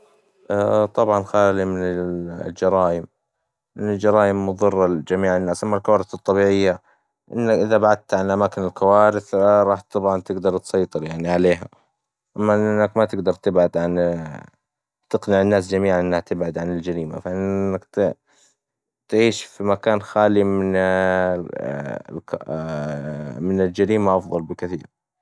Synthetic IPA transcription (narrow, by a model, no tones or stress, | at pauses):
ʔat̪ˤɑbʕɑnxaːlimɪnɪld͡ʒɑɾˤɑːjɪm | ʔɪnːʊld͡ʒɑɾˤɑːjɪmːʊðˤɨrˤːɑd͡ʒamiːʕɪnːaːsʔamːalkawaːɾɪθɨt̪ˤːɑbiːʕɪjːa | ʔɪ̰nːakʔɪðabaʕad̪̚t̪ʕanʔamaːkɪnɪlkʰawaːɾɪθɾˤɑːħt̪ːɑbʕɑnt̪ɪɡd̪ɑɾˤt̪sˤɑjt̪ˤɨɾjaʕniʕaleːɦa | ʔamːanːakmat̪ɪɡd̪ɑɾˤt̪ɪbʕad̪ʕan | t̪ɪqnɪʕɪnːaːs̬d͡ʒamiːʕanʔɪnːhat̪ɪbʕad̪ʕanɪld͡ʒaɾiːma̰faʔɪnːakt̪ | t̪ʕiːʃfimakaːnxaːlimɪn | k | mɪnɪld͡ʒaɾiːmaʔɑfðˤɑlbɪkɪθḭːɾ